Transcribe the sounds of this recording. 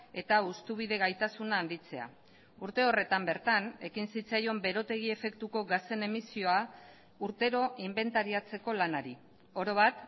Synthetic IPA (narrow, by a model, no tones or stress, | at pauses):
e̞t̪aust̪uβ̞iðe̞ɣajt̪asunaːnd̪it͡se̞a̰ | uɾt̪e̞o̞re̞t̪ambe̞ɾt̪ane̞kinsit͡sajo̞mbe̞ɾo̞t̪e̞ɣ̞ie̞fe̞kt̪uko̞ɣast̪e̞ne̞misio̞a | uɾt̪e̞ɾo̞ʔimbe̞nt̪aɾiat͡se̞ko̞lanaɾi | o̞ɾo̞β̞at̪